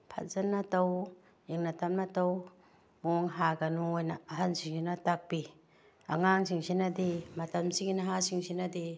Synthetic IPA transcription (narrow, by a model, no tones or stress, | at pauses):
pʰa̰t̚zanːataw | ʔiŋnatamnataw | moŋɦaɡanuojnaːɦansiŋinatak̚pi | aŋaŋsʰiŋsinadimatamsiŋinɦasiŋsʰinadi